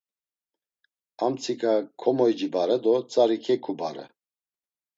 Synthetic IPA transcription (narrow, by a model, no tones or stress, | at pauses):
amt͡sʰikakʰɔmɔjd͡ʒibaɾɛd̪ɔt͡sʼaɾikʰɛkʰuba̰ɾɛ̰